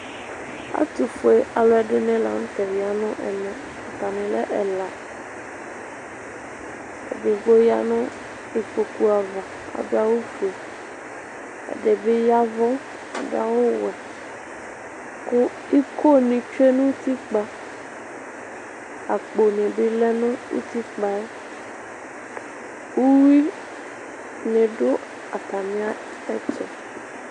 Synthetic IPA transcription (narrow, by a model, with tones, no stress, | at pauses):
a̰˦t̪u˨fo˦e˦ʔa˨lɔ˦ɛ˨ɖe˦nɛ̃˦la̰˨ŋ̩̃˦t̪ɛ˨vi˨a˨nɔ̃˦ʔɛ̰˨nɛ̃˨ | a˨t̪a˨nɛ̃˨lɛ̰˦ʔɛ˨la˨ | ḛ˨ɖe˨ɡ͡bo˦ja̰˦nɔ̃˦ | e˨k͡po˨ku˦a˨va˨ | a̰˨bi˦a˦wo˦fe˨ | ḛ˨ɖe˨be˦ja˦vɔ˦ | a̰˨da˨wo˦wɛ˨ | o˦ | i˦ko˦nĩ˨t͡ʃe˦nũ˦ti˦k͡pa˧ | a˨k͡po˨nẽ˨be˦lɛ˦nũ˦ṵ˦t̪i˦k͡pa˨ɛ˦ | u˦wi˦ | nẽ˨do˦ | a˨ta˨mĩ˨˦a˦ | ɛ˦tɔ̰˨